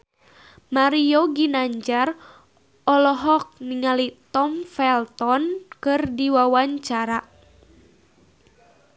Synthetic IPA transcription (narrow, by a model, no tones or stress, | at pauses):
maɾioɡinaɲd͡ʒar | ɔlɔɦɔk̚niŋalit̪ɔmfɛlt̪ɔnkɨrdiwawaɲt͡ʃaɾa